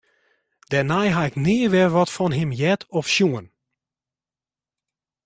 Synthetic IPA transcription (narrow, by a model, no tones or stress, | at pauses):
d̥ɛnajɦaɪknɪːəʋɛrʋɔtfɔnɦɪmjɛtʰɔfʃjuən